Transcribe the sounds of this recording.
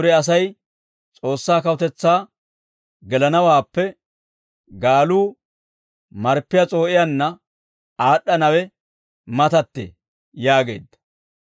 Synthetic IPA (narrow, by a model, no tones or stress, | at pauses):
ʊɾɛɐs̬ɐj | t͡sʼo̞ːsːaːkɐwʊt̪ɛt͡sːaː | ɡɛlɐnɐwaːpːɛ | ɡaːluː | mɐɾpːɪjɐt͡sʼo̞ːʔɪjɐnːɐ | aːɗːɐnɐwɛ | mɐt̪ɐt̪ːḛː | jaːɡe̞̰ːd̪ːɐ̥